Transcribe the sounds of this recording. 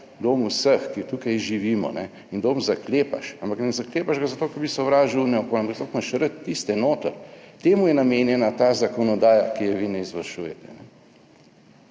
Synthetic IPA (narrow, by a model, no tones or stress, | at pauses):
d̪oːmusəxkit̪ukajʒiʋiːmɔ̰nɛ | ind̪oːmzakleːpa̰ʃampaknɛzakleːpaʒɡazat̪oːkɛɾbisɛɔʋɾaːʒiwunɛɔkonampakt̪okmaʃɾət̪ːist̪ɛnoːt̪əɾt̪eːmujɛnameːnjɛnat̪aːzakɔnɔd̪aːjakijɛʋinɛizʋɐɾʃujɛt̪ɛnɛ